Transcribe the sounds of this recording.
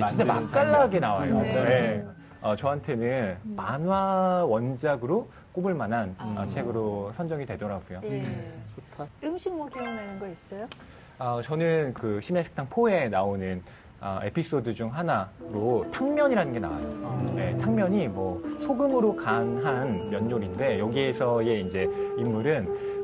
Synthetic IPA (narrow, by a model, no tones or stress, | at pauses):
mand͡ʑama̰k͈aɭːaɡe̞nawajoje | ʌt͡ɕʌɦantʰe̞nɯnmanwawʌnd͡ʑaɡɯɾo | k͈obɯɭmanɦanʌ̰t͡ɕʰe̞ɡɯɾosʰʌnd͡ʑʌŋitwe̞dʌɾaɡujo | otʰaɯmɕʰiŋmoɡinanɯnɡʌis͈ʌjo | ʌt͡ɕʌnɯnkɯɕʰimjaɕʰi̥ktʰaŋpʰoe̞naonɯn | ʌ̰epʰis͈odɯd͡ʑuŋɦanaɾotʰaŋmʲjʌɲiɾanɯnɡe̞na̰wa̰oje̞tʰaŋmjʌɲimwʌsʰoɡɯmɯɾokanɦanmjʌnːoɾinde̞jʌɡiesʰʌe̞ind͡ʑe̞imːuɾɯn